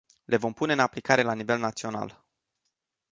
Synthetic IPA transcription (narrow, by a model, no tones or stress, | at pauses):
le̞vo̞mpune̞ɨnaplikaɾe̞lanive̞lnat̪sio̞na̰l